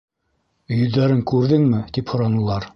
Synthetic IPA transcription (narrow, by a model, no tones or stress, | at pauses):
ɵ̆jɵ̆ðːæɾɘŋkʉɾðɘŋmɘt̪iphŏɾɑnɤ̆lˠɑɾ